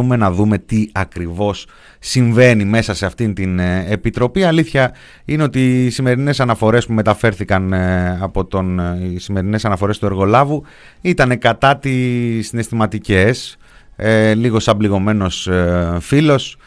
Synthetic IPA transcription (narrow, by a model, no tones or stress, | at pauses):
ume̞nɐðume̞t̪iɐkɾivo̞sː | iɱve̞nime̞sɐse̞ɐft̪int̪inepit̪ɾo̞piɐliθçɐ | ine̞o̞t̪iːsime̞ɾine̞sɐnɐfo̞ɾe̞spume̞t̪ɐfe̞ɾθikɐnɐpo̞t̪onsime̞ɾine̞sɐnɐfo̞ɾe̞st̪ue̞ɾɣo̞lɐvu | it̪ɐne̞kɐt̪ɐt̪isːine̞st̪imɐt̪ice̞s | liɣo̞sɐbliɣo̞me̞no̞sfilo̞s